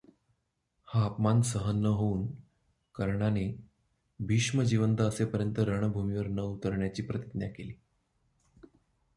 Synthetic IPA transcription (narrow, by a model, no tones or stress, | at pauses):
haːpmansəɦənːəɦouːn | kəɾɳane | bʱiʂməd͡ʑiʋənt̪əːsepəɾjənt̪əɾəɳ̃əbʱumiʋəɾnəut̪əɾɳjat͡ɕiːpɾət̪id̪njakeliː